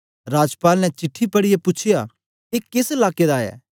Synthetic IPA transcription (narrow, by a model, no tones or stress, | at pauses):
ɾaːd͡ʒpaːlnɛ̃t͡ʃɪʈʰːipɐɽijepʊt͡ʃʰɪja | eːkɪsɛlaːked̪aːɛ̰ː